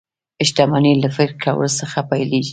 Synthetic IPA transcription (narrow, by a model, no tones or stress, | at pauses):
ɪʃt̪amɑnelafɪɾkʰawə̰losəxapajleɡi